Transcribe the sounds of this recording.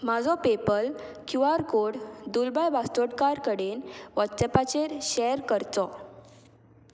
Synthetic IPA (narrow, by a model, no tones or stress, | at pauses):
mad͡zɔpepəlkjuaɾkoɽd̪ulbajbast̪oʈkaɾkəɽenʋɔtt͡sɛpat͡ɕeɾɕɛjɾkəɾt̪ɔ